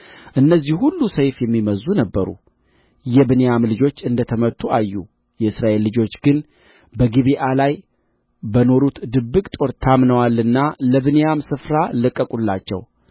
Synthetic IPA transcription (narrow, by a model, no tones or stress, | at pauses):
ʔɨnːəzːihhulːusəjfjɛmːiməzːunəbːəɾṵ | jɛbɨnejamlɨd͡ʒo̞t͡ʃːɨnd̪ət̪ʰəmət̪ʰːuʔajːu | jɛɨsɾaʔe̞lːɨd͡ʒo̞t͡ʃːɡɨn | bəɡiβiʔalaj | bəno̞ɾut̪d̪ɨbːɨkʼt̪ʼo̞ɾt̪ʰamnəwalɨnːaləβɨnejamsɨfɾalɨkʼːəkʼulːat͡ʃːɛ̰w